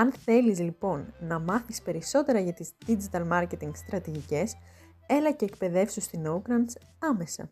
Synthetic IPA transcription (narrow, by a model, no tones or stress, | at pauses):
ɐnθe̞lizlipo̞nːɐmɐθispe̞ɾiso̞t̪e̞ɾɐʝɐt̪izd̪̥id͡ʒit̪ɐlmɐɾce̞t̪iŋɡst̪ɾɐt̪iʝice̞s | e̞lɐce̞ːkpe̞ðe̞fsust̪inoukɾɐns | ɐme̞sɐ̰